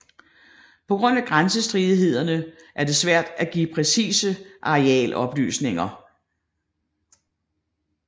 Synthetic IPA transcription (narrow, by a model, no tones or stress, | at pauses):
pʰɒ̽ɡ̥ʁɔ̽n̰æɡ̥ʁansəsd̥ʁiðˠɦe̝ð̞̰ˠɐnə | ʔæɐd̥e̝sʋæɐ̰d̥æɡ̥ḭːpʰʁɛsḭːsəʔɑ̈ʁeɛ̰ːlʔɒ̽b̥ly̰ːsne̝ŋɐ